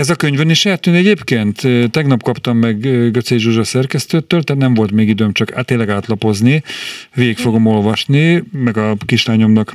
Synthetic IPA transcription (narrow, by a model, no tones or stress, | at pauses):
ɛzɒkøɲvøniʃjɛat̪ːyːnɛɟeːpkeːnt̪ːɛɡnɒpkɒpt̪ɒmːɛɡːøt̪seːʒuʒɒsɛrkɛst̪øːt̪ːøːlt̪ɛːt̪nɛɱvo̞lt̪meːɡid̪øːmt͡ʃɒkːt̪ːeːlːɛɡaːt̪lɒpo̞zniveːikfo̞ɡo̞mo̞lvɒʃnimɛɡɒkiʃlaːɲo̞mnɒk